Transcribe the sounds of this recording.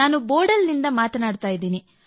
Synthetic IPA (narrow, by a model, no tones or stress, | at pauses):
aːnuboːɾɖɐlːind̪ɐmaːt̪ɐnaːɽt̪aːjid̪iːni